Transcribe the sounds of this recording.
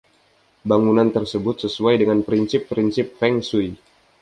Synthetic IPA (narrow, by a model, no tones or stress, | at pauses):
baŋunant̪ərsəbʊt̪səsuajdəŋanpɾinsɪpːɾinsɪp̚fɛŋsuj